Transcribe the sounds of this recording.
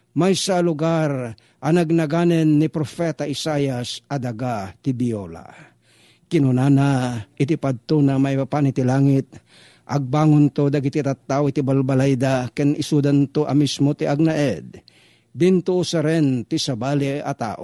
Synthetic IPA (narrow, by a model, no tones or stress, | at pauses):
majsalʊɡaɾ | ʔanaɡ̚naɡanɛnːɪpɾofɛt̪aʔɪsajasad̪aɡat̪ɪbiola̰ | kɪnʊnanaɪt̪̬ipad̪̚t̪onamaibapanɪt̪ilaːŋɪt̪̚ | ʔaɡ̚baːŋont̪od̪aɡit̪it̪at̪ːawit̪ibalbalajd̪akɛnɪsud̪ant̪oʔɐ̰mismot̪iʔaɡ̚naʔɛd̪̚ː | ɪnt̪ʊʔːsaɾɛnt̪ɪsabaliat̪a̰ːʔo